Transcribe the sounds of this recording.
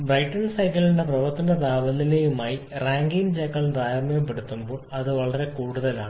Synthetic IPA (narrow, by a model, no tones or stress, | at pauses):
brɐjʈːɐnsɐjkɐliɖe̞prɐʋɐrt̪ɐnɐd̪aːʋɐlːilejumaːji | raːŋɡint͡ɕekːɐɭd̪aːɾɐmːɐjɐmpːeɽut̪ːumbo̞ːɭɐðɨʋɐɭɐɾe̞kuːɽuðɐla̰ːɳɨ